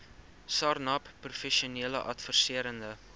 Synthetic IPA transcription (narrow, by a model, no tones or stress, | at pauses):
sɑrnɐpprufɛʃiuniələʔɐtfərsiəɾəndə